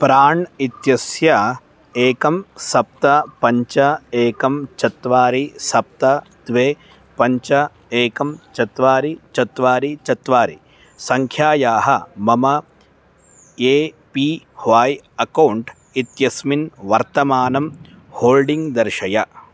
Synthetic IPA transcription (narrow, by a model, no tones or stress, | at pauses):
pɾaːɳit̪jɐsjɐ | eːkɐmsɐp̚t̪ɐpɐɲt͡ʃɐeːkɐmt͡ʃɐt̪ʋaːɾisɐp̚t̪ɐ | d̪ʋeː | pɐɲt͡ʃɐ | eːkɐmt͡ʃɐt̪ʋaːɾit͡ʃɐt̪ʋaːɾit͡ʃɐt̪ʋaːɾḭ | sɐŋkʰjaːjaːɦɐmɐmɐ | eː | pi | hʋaːjɐkɐwɳʈ | it̪jɐsminʋɐɾt̪ɐmaːnɐm | hoːlɖiŋɡd̪ɐɾʃɐjɐ